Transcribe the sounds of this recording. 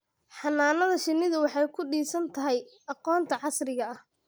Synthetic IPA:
ħɑnaːnɐðɐʃɪnːɪðɐwɑħɑjkʰʊɖiːsɐnt̪ʰɐɦɛj | ɑqɔːnt̪ʰɐʕɑsrɪɣɐɐh

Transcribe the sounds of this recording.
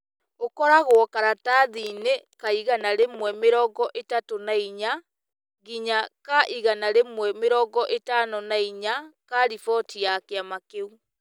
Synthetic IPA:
okɔɾaɣwɔkaɾataðinekaiɣanaɾemwɛmeɾɔːɡɔʔetatonaiɲa | ɣiɲakaʔiɣanaɾemwɛmeɾɔːŋɡɔʔetanɔnaiɲakaɾifɔtijakeamakeu

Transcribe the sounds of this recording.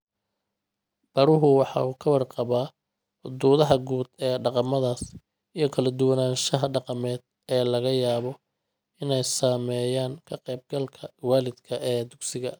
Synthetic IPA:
b̥ɐɾʊɦʊwɑħɑ̰ːʊkʰɐwɑrqɑβaː | ħʊd̪uːðɐɦɐɡuːd̪ɛːɖɑqɑmɐðaːs | ijɞkʰɐlɐd̪ʊwɑnaːʃɐɦɐɖɑqɑmɛːd̪ | ɛːlɐɣɐjaːβɔ | ɪnɛjsaːmɛːjaːŋkʰɐqɛjb̚ɡɐlkʰɐwaːlɪd̪kʰɐʔɛːd̪ʊɡsɪɣɐ

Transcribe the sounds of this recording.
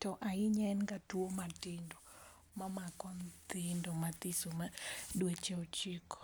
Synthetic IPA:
tɔʔaɪɲɛnɡatuomatɪndo | mamakɔnt̪ɪndomat̪ɪsomadwet͡ʃɛɔt͡ʃikɔ̥

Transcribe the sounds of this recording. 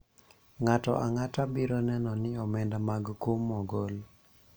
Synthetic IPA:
ŋatɔ̰ʔaŋatabiɾɔnɛnɔnɪɔmɛndamaɡkomːɔɡol

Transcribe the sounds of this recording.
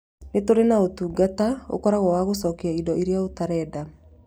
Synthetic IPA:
netoɾenaotuːɡatao̰kɔɾaɣɔwaɣosɔkeaidɔiɾiaotaɾɛːda

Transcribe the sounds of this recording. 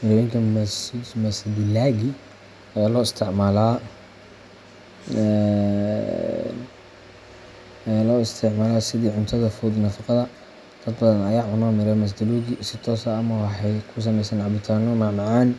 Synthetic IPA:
mɪɾɛwjŋkʰɐsd̪mɐsd̪ɪlaːɣi | ɐjaːlɔːɪst̪ʰɪʕmaːla | ɛ | jaːlɔːɪst̪ʰɪʕmaːlaːsɪðiːʕʊnt̪ʰɐðɐfuːd̪nɐfɑqɑðɐ | d̪̥ɐd̪bɐðɐnɐjaːʕʊnɔːmɪɾamɐs̬d̪ɪluɣisɪt̪ʰɔːsɐːmɐwɑħɑjkʰʊs̬ɐmɛjsɛːnʕabɪt̪ʰaːnɔmɑʕmɑʕɑːn

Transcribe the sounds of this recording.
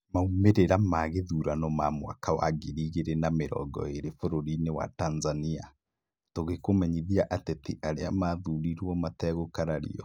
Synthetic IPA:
maumeɾeɾamaɣeðuɾanɔmamwa̰kaɔ̰ʔaɡeɾiɣeɾenameɾɔ̰ɡɔ̰eɾefoɾoɾinewa̰tanzania | toɣekomɛɲiðiaʔatɛtiʔaɾeamaðuɾiɾwɔmatɛɣokaɾaɾḭɔ

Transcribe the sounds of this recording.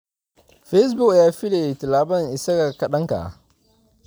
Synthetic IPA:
ɸes̬bʊkjaːfiletɪlaːbɐŋʔɪsɐkakɐɗɐŋka̰

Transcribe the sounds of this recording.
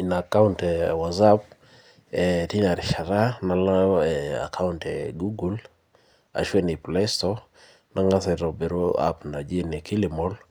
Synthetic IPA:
inakauntɛwazap̚ | ɛtilaɾʃaɾanalaɛa̰kʰauntɛɡuɡul | a̰ʃwenɪplɛstɔ | naŋasɛɾɔbeɾoa̰pnad͡ʒenikilɪmɔl

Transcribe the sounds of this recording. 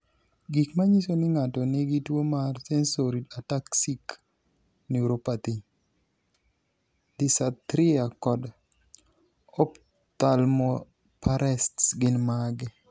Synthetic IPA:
ɡikmaɲisonɪŋatɔniɡitwomarsɛnsoɾidataksik | niuɾopat̪iɲ | d̪ɪsat̪ɾɪakɔd | ɔp | t̪almo | paɾɛstɡɪnmaɡɛ

